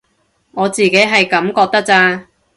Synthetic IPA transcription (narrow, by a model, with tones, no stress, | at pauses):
ŋɔː˨˧t͡siː˨ke˨˥jɦɐ˨jkɐ˨˥mkɔː˧k̚t̪ɐ˥k̚t͡saː˧